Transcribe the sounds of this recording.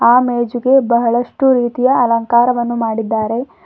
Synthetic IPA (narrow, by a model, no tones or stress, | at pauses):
aːmeːd͡ʒuɡe̞bɐɦɐɭɐʂʈuɾiːt̪ijɐɐlɐŋkaːɾɐʋɐnːumaːɽid̪ːaːɾe̞